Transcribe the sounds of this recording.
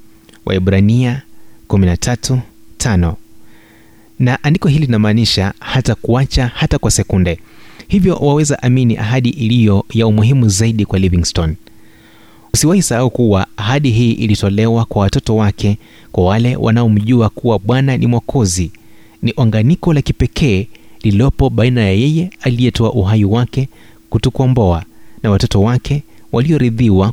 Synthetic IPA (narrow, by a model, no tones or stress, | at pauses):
wʔa̰ɛɓɾaniakuminatʰatutʰanɔ | naʔandikɔɦilinamaːniʃahatakuat͡ʃahatakwasɛkundɛhivjɔ̰wawɛzaʔaminiʔaɦaɗiʔilijɔjaumuɦimuzaiɗikwaliviŋstɔn | usiwahisahaukuwaːɦaɗiɦiːʔilitɔlɛwakwawatɔtɔwakʰɛ | kwawalɛwʔa̰naɔm̩ʄuakuwaɓwananḭmwakʰɔzi | niʔaŋɡanikɔlakipɛkʰɛːlilɔpɔɓainajajɛjɛalijɛtɔaʔuɦajiwakɛ | kutukɔmbɔanawatɔtɔwakʰɛ | wʔaliɔɾiðiwa